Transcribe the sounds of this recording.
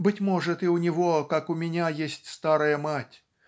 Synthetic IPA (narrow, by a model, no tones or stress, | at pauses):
bɨtʲmɔʐɨt̪iwnʲɪvɔkakʊmʲɪnʲajesʲtʲst̪aɾɐjɐmatʲ